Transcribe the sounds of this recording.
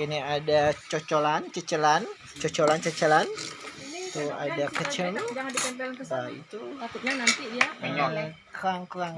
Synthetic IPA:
iniadat͡ʃot͡ʃolant͡ʃət͡ʃəlan | t͡ʃɔt͡ʃolant͡ʃət͡ʃəlanit̪ua̰dakət͡ʃəŋd͡ʒaŋadikanbabaḭt̪uat̪ut̪̚ɲanant̪iiaaalklaŋkəlaŋ

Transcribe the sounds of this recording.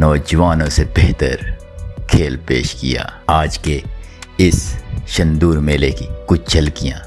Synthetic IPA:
nɔːd͡ʒʋaːnõsebeːt̪ə̰ɾ | kʰeːlpḛːʃkɪ̰ja̰ːaːd͡ʒkeɪsʃɐ̃nd̪uːɾmẽleːkikʊt͡ʃʰt͡ʃɐlkijãː

